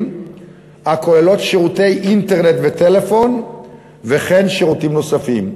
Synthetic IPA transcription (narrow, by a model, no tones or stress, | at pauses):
hakʰo̞elo̞t̪ʃeʁute̞jʔinteʁne̞tvet̪e̞le̞fo̞n | ve̞χe̞nʃeʁutimno̞safim